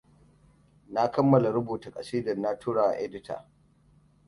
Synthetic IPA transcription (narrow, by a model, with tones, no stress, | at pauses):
na˦kɐ˦mːɐ˨la˨ɾʊ˦buː˨ta˨kʼa˨siː˦dɐ˨nːa˦tʰuː˦ɽaː˨ʔa̰˨ʔɛ˦dɪ˦tʰa̰˨